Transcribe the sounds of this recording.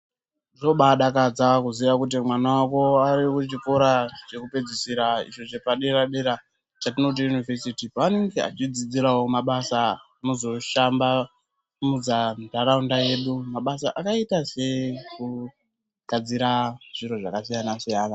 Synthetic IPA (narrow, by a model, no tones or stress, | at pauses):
ʐo̞ɓaɗakad͡zakuziʋakut̬imwanawako̞aɾikuit͡ʃiko̞ɾat͡ʃe̞kupe̞d͡zisiɾaḭʃo̞t͡ʃepaɗe̞ɾaɗe̞ɾa | t͡ʃatino̞t̬ijunivesitipaane̞ŋɡea̰t͡ʃid͡zid͡ziɾawo̞maɓasa | nozo̞ʃamba | mud͡zandaɾaundaje̞ɗumaɓasa̰ʔakaitase̞ku | ɡ̥ʱad͡ziɾaʐ̥iɾo̞ʐakasijanasijaːna